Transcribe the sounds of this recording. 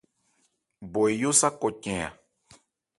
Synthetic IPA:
bo˨e˨ju˦sa˦ko˨cɛ̃˨a̰˨

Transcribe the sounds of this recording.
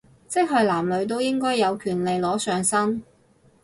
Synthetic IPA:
t͡sɪ˥k̚ɦɵ˨˧ɥlaː˨˩mlɵ˨˧ɥt̪̬o˥wjɪ˥ŋkɔː˥jːɐ˨˧wkʰyː˨˩nle˨jlɔː˨˥sœː˨˧ŋsɐ˥n

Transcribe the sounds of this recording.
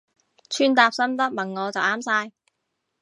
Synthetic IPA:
t͡ʃʰyː˥nt̪aː˨˧p̚sɐ˥mt̪ɐ˥k̚mɐ˨˩ŋːɔː˨˧t͡sɐ˨wʔaː˥msaː˧j

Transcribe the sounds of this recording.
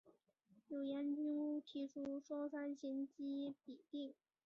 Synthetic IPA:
jo˨˩ʊja˧˥nt͡ɕy˥ŋu˥t̪ʰi˧˥ʈ͡ʂʰu˥ʂwɔ˥sa˥nɕi˧˥nt͡ɕi˥pi˨˩t̪i˥˩ŋ

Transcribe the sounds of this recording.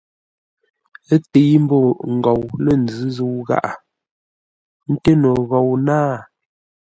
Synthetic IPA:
ə˦te˨˦jm̩˦bo˦˨ŋ̩˨ɡɔ˨wlə˦˨n̩˨d͡zʉ˦zu˦wɣa̰˦ʔa̰˨ | n̩˦te˦no˨ɣɔ˨wnaː˦˨

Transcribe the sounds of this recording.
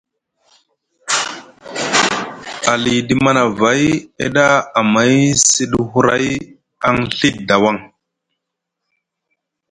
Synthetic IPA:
a˨li˨di˨ma˦na˨va˨˦jḛ˦ɗa˦a˨ma˨˦jsi˦ɗhu˦ɾa̰˦j | a˦ŋɬi˦t̚da˨wa˦˨ŋ

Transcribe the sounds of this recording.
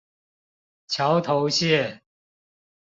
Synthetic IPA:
t͡ɕʰjɑ˨˧˦ʊt̪ʰo˨˧˦ʊɕjɛ˥˨

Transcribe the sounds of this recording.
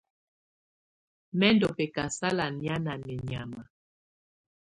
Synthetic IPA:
mɛ˦ndɔ˨pɛ˨ka˨sa˦la˨nja˦na˨mɛ˨ɲa˨ma˨

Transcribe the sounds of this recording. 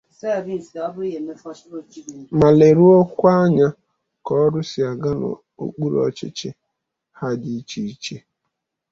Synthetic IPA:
sa˦˨bi˨sa˨˦bʊ˦i˦ɦe˨me˦fa˦ɾo˨t͡ʃi˦i˨ma˨le˨ɾu˦ɔ˦kʷa˦ɲa˦ | kɔ˦ɾʊ˦si˨a˨ɡa˦nɔ̰˨ | o̰˨k͡pu˦ɾɔ̰˨t͡ʃɪ̰˦t͡ʃɪ˦ | ha˦di˦t͡ʃi˦i˦t͡ʃe˦

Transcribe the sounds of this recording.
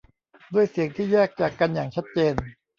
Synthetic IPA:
du˥˩əjsi˨˩əŋt̪ʰiː˥˩jɛː˥˩k̚t͡ɕaː˨˩kːa˧njaː˨˩ŋt͡ɕʰa˦˥t̪̚t͡ɕeː˧n

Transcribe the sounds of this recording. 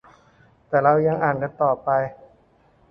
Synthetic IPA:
t̪ɛː˨˩ɾa˧wja˧ŋʔaː˨˩nka˧nt̪ɔː˨˩pa˧j

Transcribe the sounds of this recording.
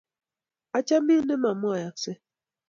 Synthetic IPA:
a˨t͡ʃa˦mi˦ne˦ma˨mɔ˦a˨ja˨kse˦

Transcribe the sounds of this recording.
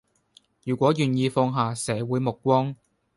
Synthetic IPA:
jyː˨˩kʷɔː˨˥jyː˨njiː˧fɔː˧ŋɦaː˨˩sɛː˨˥wuː˨˥jmʊ˨k̚kːʷɔː˥ŋ

